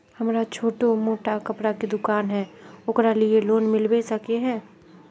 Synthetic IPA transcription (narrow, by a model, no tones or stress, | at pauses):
hɐmɾat͡ʃʰoːʈomoːʈakɐpɽaked̪ʊkaːnɦɛːʊkɾalɪeloːnmɪlwesɐkeɦɛ̃ː